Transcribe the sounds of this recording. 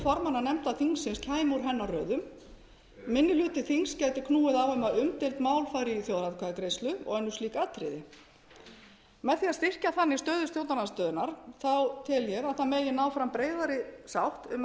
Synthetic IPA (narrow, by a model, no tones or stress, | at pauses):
fɔɾmanːanɛmt̪aðθiŋsːɪnscʰaːjmuɾ̥ɦɛnːarœːðʏm | mɪnːɪlʏːt̪ɪθiŋscajt̪ɪkʰnuːɪðawœmaðʏmt̪ɪlt̪maːwlfaːjɾiθjowðɾaðkʰaːðkɾejst̪lʏɔ̰ɣɛnːʏsliːkaːt̪ɾɪ̰ðɪ | mɛðθiaðst̪ɪr̥caθanːɪst̪œːðʏst̪jowt̪anast̪œːðʏnaɾ̥θawt̪ʰɪljɛɾaðθamɛːjɪnaːwfɾampɾeːjðaɾɪsawht̪ʏm